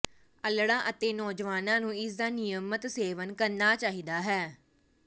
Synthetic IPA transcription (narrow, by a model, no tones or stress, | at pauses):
əlɽãːʔət̪eːnɔːd͡ʒʋaːnãːnũːɪsd̪aːnɪjəmət̪seːʋənkəɾnaːt͡ʃaːɦiːd̪aːɦɛː